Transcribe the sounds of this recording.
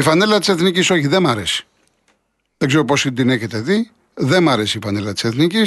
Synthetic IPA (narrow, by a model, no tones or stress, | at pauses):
ifɐnelɐt̪iseθniciso̞çiðemɐɾe̞si̥ | ðeɡzeɾo̞po̞sind̪ineçet̪eði | ðemɐɾe̞siːfɐnelɐt̪i̥seθnicis